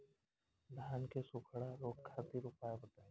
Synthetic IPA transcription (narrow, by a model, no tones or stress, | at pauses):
d̪ʱaːnkesʊkʰɽaɾoːkkʰːaːt̪iɾʊpaːjabot̪aɛ